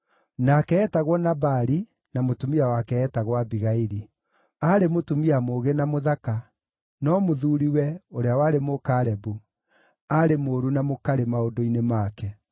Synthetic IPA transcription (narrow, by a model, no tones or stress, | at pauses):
nakɛɛtaɣwɔnabaɾi | namotumiawakɛːtaɣwabiɣaiɾi | aɾemotumiamoɣenamoðaka | nɔmoðuɾiwɛoɾeawaɾemokaːɾɛbu | aɾemoːɾunamokaɾemaodoinemakɛ